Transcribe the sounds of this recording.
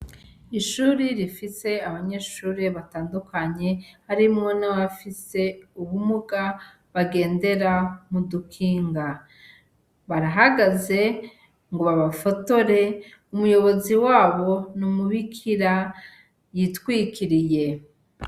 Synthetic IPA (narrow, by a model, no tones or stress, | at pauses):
iʃuːɾiɾifise̞aβaɲe̞ʃuːɾeβataːndukaɲe̞haɾimŋo̞nawafise̞uβumuɡa | βaɡe̞ːnde̞ɾamudukʰiːŋɡa | βaɾaɦaɡaze̞ | ŋɡoβaβafo̞to̞ɾe̞ | umujo̞βo̞ziwaːβo̞numuβikʰiɾa | jitwiːkʰiɾije̞